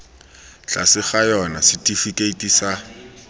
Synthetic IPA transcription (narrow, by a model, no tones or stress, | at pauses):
t͡ɬasɪχajɔnasɪtʼifikʼeitʼisa